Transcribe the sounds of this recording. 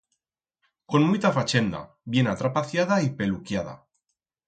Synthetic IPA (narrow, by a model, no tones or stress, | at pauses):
ko̞nmujt̪afat͡ʃe̞nd̪a̰ | βje̞nat̪ɾapaθjað̞aipe̞lukjað̞a̰